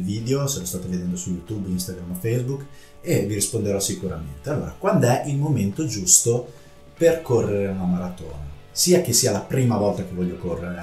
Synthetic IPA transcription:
lviːd̪eosoɾɔst̪aːt̪oved̪ɛnd̪osujut̪ubinst̪aɡɾamafejzbukː | eviɾispond̪eɾɔsikuɾa̰ment̪ealːo̰ːɾakwand̪ɛʔilmoment̪od͡ʒust̪o | perkorːeɾeunamaɾat̪o̰ːna | siːak̟esːialapɾiːmavɔlt̪akevːɔʎːokorːeɾe

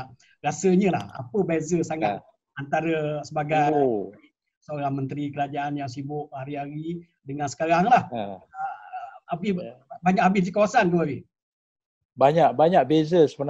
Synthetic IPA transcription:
ɾasəɲə̃la̰ha̰pəbezəsaŋat̪̚ | ant̪aɾəsəbaɡaj | səoɾaŋmə̃nt̪ɾikəɾad͡ʒaʔanjaŋsibʊʔhaɾiɦaɾi | dəŋãnsə̥kaɾaŋlah | abɪbaɲakʔabɪsdikawasanɡuabi | baɲaʔbaɲaʔ̚bezəsəbən

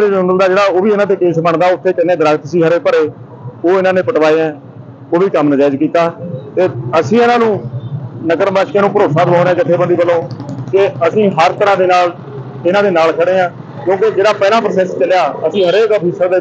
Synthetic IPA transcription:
ɾeːd͡ʒʊɳəld̪aːd͡ʒeːɽaːoːʋiːɪnãːt̪̬eːkeːsbəɳd̪aːʊt̪ʰːeːkɪnːẽːd̪əɾaːɡt̪siːɦəɾeːpəɾeː | oːɪnãːnẽːpəʈʋaːeɛ̃ː | oːʋiːkəmnəd͡ʒaːɪd͡ʒkiːt̪aːt̪eːəsĩːɪnãːnũːnəkəɾbaːʃkeːnũːpəɾoːsãːt̪oːnɛ̃ːkɪt̪ʰːeːbəɳd̪iːbəlːõːkeəsĩːɦəɾt̪əɾãːd̪eːnaːl | ɪnãːd̪eːnaːlkʰəɽeːãː | kjõːked͡ʒeːɽaːpɛːlãːpɾəːsɛːst͡ʃəljaːəsĩːɦəɾeːkəbiːsəɾd̪eː

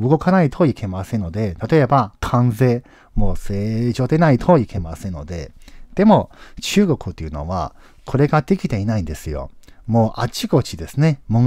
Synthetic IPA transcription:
ɯɡo̞kanait̪ʰo̞ikʰe̞masẽ̞nːo̞d̪e̞t̪at̪o̞e̞bakʰãnze̞ː | mo̞ːse̞ːʑo̞ːd̪e̞nait̪ʰoikʰe̞masẽ̞nːo̞d̪e̞̰d̪̥e̞mo̞t͡ɕɨːɡo̞kɯ̟t̪ːeiɯ̟no̞̰βa̰ | kʰo̞ɾe̞ɡad̪e̞kʲit̪e̞inaĩnd̪e̞sɨjo̞̰moːʔat͡ɕiɡo̞t͡ɕid̪e̞sɨne̞mõ

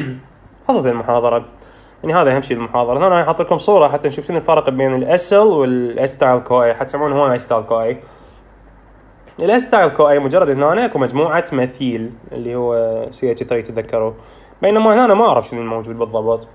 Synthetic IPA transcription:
xɑːsˤɑt̪anɪlmʊħɑːðˤɑɾˤɑ | ʔanːihaːðiʔahamʃiːllmʊħɑːðˤɑɾˤɑhnananħɑt̪ˤːilkʊmsˤuːɾˤɑħat̪ːanʃuːftunɪlfɑɾˤqbeːnɪlʔaslwɪlʔɪst̪aːjlkoːʔiħat̪samʕuːnhuwːamajst̪aːlkoːʔi | ɪlʔast̪aːjlkoːʔimʊd͡ʒɑrˤːɑd̪ʔɪnːʔanaʔakumad͡ʒmuːʕamaθiːlʔɪ̰lːihʊwːsɪjat̪ɪθɾiːt̪ðakːɑɾˤu | beːnamaʔhnaʔanamaʔaʕɾˤɑfʃɪnɪlmowd͡ʒuːd̪̚bɨðˤːɑbɨt̪ˤ

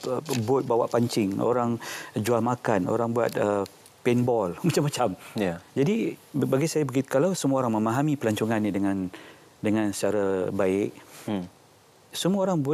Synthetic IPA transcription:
bʊt̪̚bawaʔpaɲt͡ʃɪŋo̰ɾaŋd͡ʒualmakano̰ɾaŋbua̰t̪̚ə | pɛnbɔlmat͡ʃamːat͡ʃamad͡ʒadibaɡisajabəɡit̪kalawsəmuaoɾaŋmə̃maɦamipəlaɲt͡ʃuŋanːidəŋãn | dəŋãnsə̥t͡ʃaɾabaɪʔ̚ | səmuaoɾaŋbu

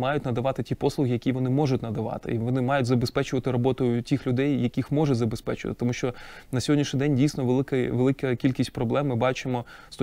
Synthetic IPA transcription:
mɑjʊtʲnɐd̪ɐʋɑt̪ɪtʲipɔslˠʊɦʲijɐkʲijʋɔnɪmɔʐʊtʲnɐd̪ɐʋɑ̰t̪ɪ̰iʋɔnɪmɑjʊtʲzɐbespɛt͡ʃʊʋɐt̪ɪɾɔbɔt̪ʊjʊtʲixlʲʊd̪ɛjːjɐkʲixmɔʒɛzɐbespɛt͡ʃʊʋɐ̰t̪ɪ̥t̪ɔmuʃt͡ʃɔnɐsʲɔɦɔdʲnʲiʃnɪid̪ɛnʲdʲijsʲnɔʋelˠɪkɐʋelˠɪkɐkʲilʲkʲisʲt̚ʲpɾɔblˠɛmːɪbɑt͡ʃɪmɔ | st̪ɔ

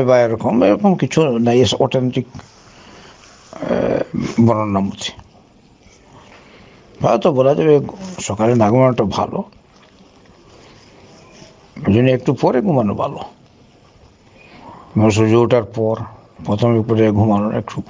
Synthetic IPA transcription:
ebajaɾɔkʰɔmḛɾɔkɔmkit͡ʃʰunajesɔʈʰenʈik | bɔɾɔnːamut̪ʰi̥ | pajt̪ɔbɔlad͡ʒabesɔkalenaɡɔmanɔʈɔbʱa̰lɔ̰ | d͡ʒuniekʈupɔɾeɡʱumanuba̰lɔ | mɔs̬ud͡ʒowʈaɾpɔɾ | pɾɔt̪ʰɔmik̚pɔɾeɡʱumanɔḛkʈu

